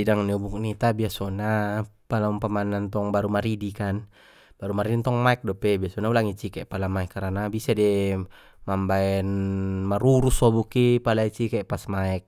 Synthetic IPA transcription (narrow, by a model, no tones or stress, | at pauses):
sidaŋniubuk̚nit̪abiasɔnapalaumpamanant̪ɔŋbaɾumaɾidikan | b̥aɾumaɾidint̪ɔŋmaɛk̚dɔpɛbiasɔnaulaŋit͡ʃikɛpalamaɛkːaɾanabisadɛ | mambaɛnmaɾuɾusɔbukipalait͡ʃikɛpasmaɛk̚